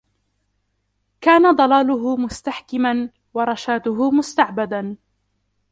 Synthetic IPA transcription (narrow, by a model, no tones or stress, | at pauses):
kaːnad̪ˤɑlaːlʊɦʊmʊst̪aħkɪman | wɑɾˤɑʃaːt̪ʊɦʊmʊst̪aʕbad̪a